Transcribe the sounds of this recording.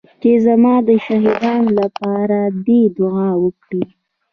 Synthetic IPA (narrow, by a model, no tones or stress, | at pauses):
t͡ʃezamɑd̪əʃaɦid̪ɑnlapɑɾad̪ed̪ʊɑwəkɽi